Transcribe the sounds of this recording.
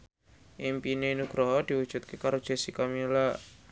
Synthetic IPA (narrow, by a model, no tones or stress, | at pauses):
ʔimpinenuɡ̥ɾɔɦɔd̪̥iwud̥ʒ̥ṳt̪̚kekaɾod̥ʒ̥e̤sikamila